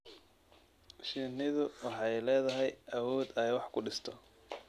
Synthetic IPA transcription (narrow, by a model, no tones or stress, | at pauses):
ʃinɪðʊwɑħɑjlɛːðɐɦɛjʔɐwɔːd̪ɐjwɑħkʰʊɖɪst̪ʰɔ